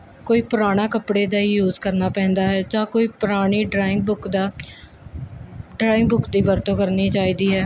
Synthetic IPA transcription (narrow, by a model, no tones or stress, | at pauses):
koːiːpʊɾaːɽ̃aːkəpɽeːd̪aːiːjuːzkəɾnaːpɛ̃ːnd̪aːɦɛːd͡ʒãːkoːiːpʊɾaːɽ̃iːɖaːɪŋbʊkd̪a | ɖɾaːɪ̃ŋɡbʊkd̪iːʋəɾt̪õːkəɾniːt͡ʃaːiːd̪iːɦɛː